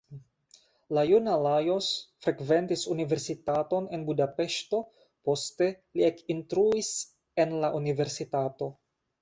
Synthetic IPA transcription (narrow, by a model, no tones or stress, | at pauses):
lajunalajosfɾe̞kve̞ntisunive̞ɾsitato̞ne̞nbudape̞ʃto̞ | po̞ste̞ | liekintɾuis | e̞nlaʔunive̞ɾsitato̞